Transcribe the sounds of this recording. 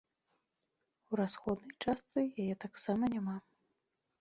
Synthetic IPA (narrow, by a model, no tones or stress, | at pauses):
wɾasxɔd̪nɐjt͡ʂast̪sɨjajɛt̪aksamɐnʲama